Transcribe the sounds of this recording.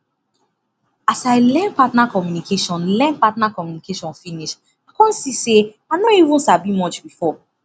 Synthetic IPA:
asaɪlɛ̃npatnakɔmjunikʰeʃɔ̃nlɛ̃npatnakɔmjunikeʃɔ̃nfiniʃ | akɔ̃nsise | anõiṽnsabimɔt͡ʃbifɔ

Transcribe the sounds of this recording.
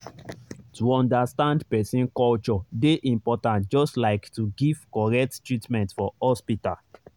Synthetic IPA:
tuɔ̃ndastãndpɛsĩnkɔlt͡ʃɔdeʔĩmpɔtãntd͡ʒɔstlaɪktuɡiv̥kɔɹɛk̚ttɹitmɛ̃ntfɔhɔspital

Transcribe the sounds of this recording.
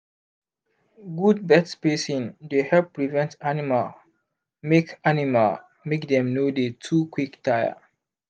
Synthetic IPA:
ɡud̚bɛtspesĩndehɛlp̚ːɹivɛ̃ntanimal | mekanimal | mekdɛ̃mnodetʰukʰwiktʰaja̰

